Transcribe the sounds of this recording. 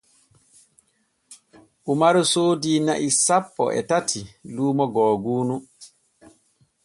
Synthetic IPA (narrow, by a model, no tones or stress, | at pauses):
ʔumaɾusoːdiːna̰ʔisapːɔ̰ʔɛ̰tatʰiluːmɔɡɔːɡuːnu